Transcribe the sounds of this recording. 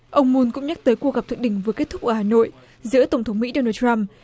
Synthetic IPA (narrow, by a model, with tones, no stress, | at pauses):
ʔə˧wŋ͡mmu˧nkʊ̰˧˥ŋ͡mɲa˦˥t̪əː˨˦jkwu˧ɣa˨˩p̚t̪ʰɨ̰˧˨ɗï˧˩ŋ̟vɨ˨˩əkt̚t̪ʰʊ˦˥k͡p̚ʔəː˧˩haː˨˩no̰˧˨j | zɨ̰˧˥ət̪ə˧˩wŋ͡mt̪ʰə˨˦wŋ͡mmḭ˧˥ɗo˧naː˧ta˧m